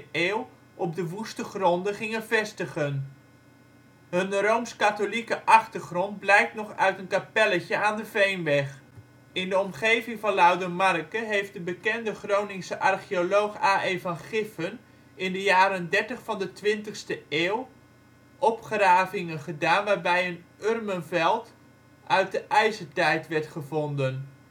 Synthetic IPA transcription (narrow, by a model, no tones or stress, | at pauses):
eːw | ʔɔb̚dəʋustəχrɔndəχɪŋənvɛstəχən | ɦɵnrowmskatolikəʔɑχtəɹχrɔnd̚blɛjk̚tnɔχœɥtənkapɛləcəaːndəvejnʋɛχ | ɪndəɔmχejvɪŋvɑnlawdəmɑrkəɦejftdəbəkɛndəχrownɪŋsəʔɑrχiolowχaːʔejvɑnχɪfən | ɪndəjaːɾəndɛɹtəχfɑndətʋɪntəχstəeːw | ʔɔpχraːvɪŋənχədaːnʋaːɹbɛjənørmənvɛlˠt | ʔœɥt̚dəʔɛjzəɹtɛjtʋɛɹtχəvɔndən